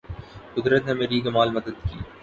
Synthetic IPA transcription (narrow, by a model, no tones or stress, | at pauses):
kʊd̪ɾət̪nemeɾiːɡɐmaːlmɐd̪əd̪kḭː